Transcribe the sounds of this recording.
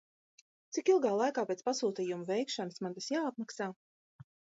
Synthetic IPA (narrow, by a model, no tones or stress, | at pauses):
t̪sikilˠɡaːlˠajkaːpʲet̪spasuːt̪iːjumuvɛjkʃɔnɨsmand̪asjaːat̪̚maksaː